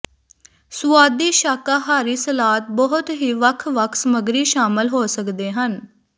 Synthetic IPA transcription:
sʊʋaːd̪iːʃaːkaːɦaːɾiːsəlaːt̪̚bəɦʊt̪ɦiːʋəkʰʋəkʰsəməɡɾiːʃaːmɪlɦoːsəkd̪eːɦən

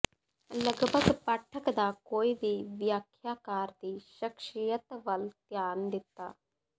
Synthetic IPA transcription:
ləɡbʱəɡpəʈʰːəkd̪aːkoːibʱiʋjaːkʰjaːkaːɾd̪iʃəkʃijət̪ʋɐlt̪jaːnd̪ɪt̪ːa̰ː

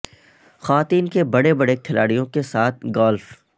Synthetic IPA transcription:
xɐʋaːt̪iːnkebɐɽebɐɽekʰɪlaːɽijõkesaːt̪̚ʰɡɔːlf

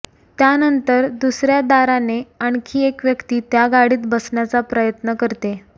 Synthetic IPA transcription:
t̪janənt̪əɾd̪usɾjad̪aɾaneaɳkʰiːekʋjəkt̪iːt̪jaɡaɽiːt̪bəsɳjat͡sapɾəjət̪nəkəɾt̪e

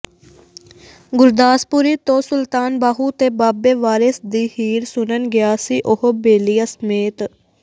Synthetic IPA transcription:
ɡʊɾd̪aːspʊɾiːt̪õːsʊlt̪aːnbaːɦuːt̪eːbaːbeːʋaːɾesd̪iːhiːɾsʊnənɡɪaːsiːʔʊhoːbeːlɪjaːsəmeːt̪

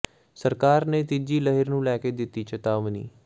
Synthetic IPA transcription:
səɾkaːɾneːt̪ɪd͡ʒiːləɦɪɾnũːlɛːkeːd̪ɪt̪ːiːt͡ʃət̪aːʋnḭː

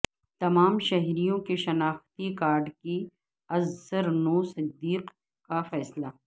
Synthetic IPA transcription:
t̪ɐmaːmʃɐɦɾijõkeʃɐnaːxt̪ikaːɾɖki | ɐzːəɾnoːsɪd̪ːiːq | kafɛːslaː

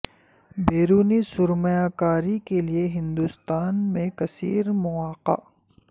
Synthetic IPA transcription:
beːɾuːnisʊɾməjaːkaːɾikelieɦɪ̃nd̪ust̪aːnmẽkɐsḭːɾmʊaːqa̰ː

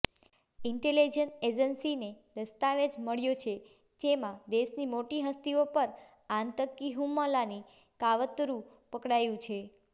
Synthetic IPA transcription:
ɪɳʈelid͡ʒəned͡ʒənsined̪əst̪aʋed͡ʒməɭjot͡ʃʰe | d͡ʒemãd̪eʃnimoʈiɦəst̪iopəɾ | ãnt̪əkːiɦumːəlani | kaʋət̪ɾũ | pəkɽajũt͡ʃʰe

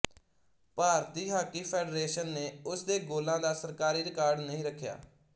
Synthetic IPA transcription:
paːɾt̪iːɦaːkiːpʰɛːɖɾeːʃənːeːʊsd̪eːɡoːlãːd̪aːsəɾkaːɾiːɾɪkaːɾɖnəɦĩːɾəkʰːja̰ː

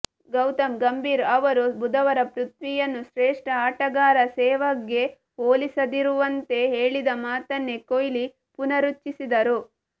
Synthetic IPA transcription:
ɡɐwt̪ɐmɡɐmbʱiːɾɐʋɐɾubud̪ɐʋɐɾɐpɾut̪ʋijɐnːuʃɾeːʂʈɐaːʈɐɡaːɾɐsɛːʋɐɡːe̞ | oːlisɐd̪iɾuʋɐnt̪e̞ɦeːɭid̪ɐmaːt̪ɐnːe̞kojli | punɐɾut͡ʃːisid̪ɐɾu

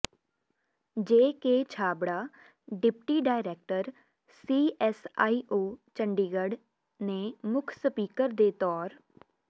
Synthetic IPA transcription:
d͡ʒeːkeːt͡ʃʰaːbɽaː | ɖɪpʈiːɖaːɪɾɛːk̚ʈəɾ | siːʔɛsaːiːʔoːt͡ʃəɳɖiːɡəɖ | nẽːmʊkʰsəpiːkəɾd̪eːt̪ɔːɾ

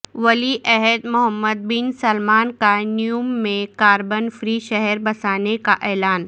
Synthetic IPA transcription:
ʋɐliʔɛɦəd̪mʊɦəmːəd̪̚bɪnsɐlmaːnkanijumːẽkaːɾbənfɾiʃɛɦɛɾbɐsaːnekaʔɛːlaːn

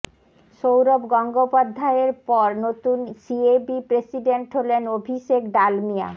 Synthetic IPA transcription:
ʃowɾobɡɔŋɡopad̪ʱːaeɾpɔɾnot̪unsiebipɾesiɖeɳʈɦolenobʱiʃekɖalmija̰

